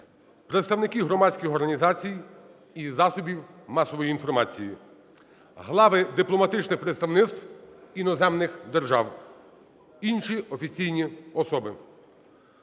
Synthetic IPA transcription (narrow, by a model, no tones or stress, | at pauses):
pɾet̪st̪ɐwnɪkiɦɾɔmɑsʲkɪxɔrɦɐnʲizɑt͡sʲij | izɑsʊbʲiwmɑsɔʋɔjiːinfɔrmɑt͡sʲiji | ɦlˠɑʋɪd̪ɪplˠɔmɐt̪ɪt͡ʃnɪxpɾet̪st̪ɐwnɪt̪st̪winɔzɛmnɪxd̪erʒɑw | inʃiɔfʲit͡sʲijnʲiɔsɔbɪ